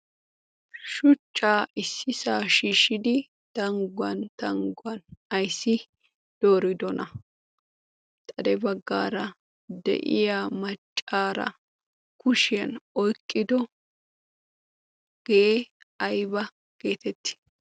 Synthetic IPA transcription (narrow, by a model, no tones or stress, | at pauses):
ʃʊt͡ʃʼːaːɪsːɪsaːʃiːʃɪd̪ɪ | t̪ɐŋɡwɐnt̪ɐŋɡwɐnɐjsːɪ | d̪̥o̞ːɾɪd̪ɔnɐ | t̪ʼɐd̪ɛbɐɡːa̰ːɾɐ | d̪ɛ̰ʔɪ̰jamɐt͡ʃʼːaːɾɐ̰ | kʊʃɪjɐnɔjkʼːɪd̪ɔ | ɡ̥eeɐjbɐ | ɡ̥e̞ːt̪ɛt̪ːɪ̥